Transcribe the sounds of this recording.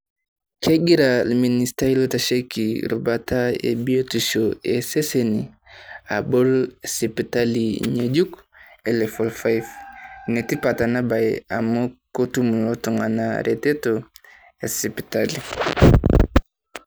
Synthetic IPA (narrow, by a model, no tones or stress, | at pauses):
keɡiɾalministailotaʃekiɾubataḛbiotuʃoeseseni | a̰bolsipitaliɲeɟuk | elefolfajfnetipatanabajamokotumlotuŋa̰na̰ɾʔeteto | esipi̥tali